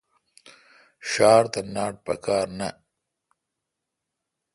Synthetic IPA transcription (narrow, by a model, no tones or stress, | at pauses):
ʃɑːɾt̪anɑːʈ̚pɐ̰kɑːɾna